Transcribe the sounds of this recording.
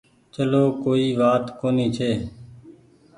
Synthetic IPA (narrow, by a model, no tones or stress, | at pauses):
t͡ʃəloːkoːiːʋaːt̪koːniːt͡ʃʰeː